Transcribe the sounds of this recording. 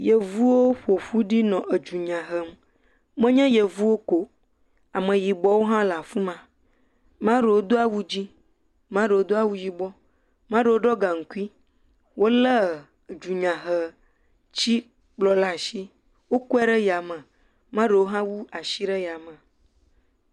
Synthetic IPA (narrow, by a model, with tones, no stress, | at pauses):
je˨vu˦wo˦ɸo˨ɸu˦ɖi˦nɔ̃˨ʔe˨d͡ʒu˨ɲã˨ɦə˦m | mə̃˦ɲɛ̃˦je˨vu˦wo˦ko˦ | a˨mə̃˨ji˨bɔ˦wo˦ɦã˦la˨fũ˦mã˨ | mã˦ɖe˨wo˦d̪o˦a˦wu˦d͡ʑi˦ | mã˦ɖə˨wo˦d̪o˦a˦wu˦ji˨bɔ˦ | mã˦ɖə˨wo˦ɖɔ˦ɡa˨ŋ̩˨ku˦i˦ | wʔo˦lə˦˨ | d͡ʒu˨ɲã˨ɦə˨ | t͡ɕi˦ | k͡plɔ˦la˦˨ʃi˦ | wo˦ku˦ɛ˦ɖə˦ja˨mə̃˨ | mã˦ɖə˨wo˦ɦã˦wu˦a˨ʃi˦ɖə˦ja˨mə̃˨